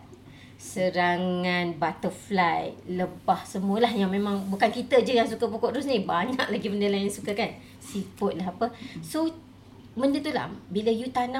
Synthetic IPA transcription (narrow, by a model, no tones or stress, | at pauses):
səɾaŋanbat̪əflajləbahsəmuəlahjaŋmemãŋbukankit̪əd͡ʒəjaŋsukəpukoʔ̪ɾusnibaɲa̰ʔ̚laɡiməndəlaansukakan | sifʊt̪̚laɦapəso | məndət̪ula̰biləjut̪ana